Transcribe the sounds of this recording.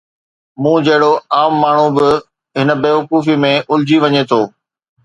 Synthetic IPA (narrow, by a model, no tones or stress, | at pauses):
mũːd͡ʑɐɦɪɽoaːmːaːɳ̤ubɪ | ɦɪnə̆beːʋɐkuːfimẽʔʊld͡ʑiʋɐɲet̪ʰoː